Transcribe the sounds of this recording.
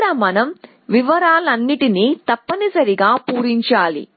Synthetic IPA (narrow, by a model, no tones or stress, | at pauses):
ɾɐmɐnɐm | ʋiʋɐɾaːlɐnːiʈinit̪ɐpːɐnisɐɾiɡaːpuːɾiɲt͡ʃaːlḭ